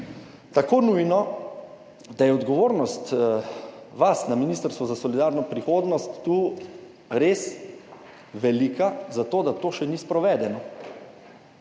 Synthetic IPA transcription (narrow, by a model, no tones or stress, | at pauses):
t̪akoːnujnɔ | d̪ajɛɔd̪ɡɔʋoːɾnɔst̪ | ʋasnaminiːst̪əɾst̪ʋɔzasɔlid̪aɾnɔpɾixoːd̪nɔst̪ːuː | ɾeːs | ʋɛlikazat̪oːd̪at̪oːʃɛnispɾɔʋɛːd̪ɛnɔ